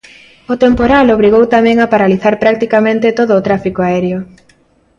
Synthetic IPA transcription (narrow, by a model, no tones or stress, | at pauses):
ʊt̪empoɾaloβɾiɣ̞owt̪amɛ̃ŋapaɾaliθaɾpɾak̚t̪ikamẽnt̪et̪oðʊːt̪ɾafikoaɛɾjo